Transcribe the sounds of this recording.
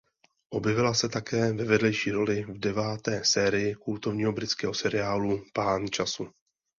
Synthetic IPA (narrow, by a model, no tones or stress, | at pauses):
ʔo̞bjɛvɪlasɛt̪akɛːvɛvɛdlɛjʃiːɾo̞lɪvdɛvaːt̪ɛːsɛːɾɪjɪkult̪o̞vɲiːɦo̞bɾɪt͡skɛːɦo̞sɛɾɪjaːlupaːnt͡ʃasu